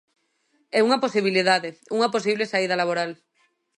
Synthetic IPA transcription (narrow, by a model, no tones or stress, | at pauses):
ɛuŋaposiβ̞iliðaðeuŋaposiβlesaið̞alaβoɾal